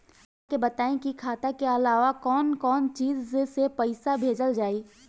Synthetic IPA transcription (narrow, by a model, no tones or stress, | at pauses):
aːkebɐt̪aːẽkikʰaːt̪akeɐlaːʋakɔːnkɔːnt͡ʃiːzesepɛɪsabʱeːd͡ʒəld͡ʒaːiː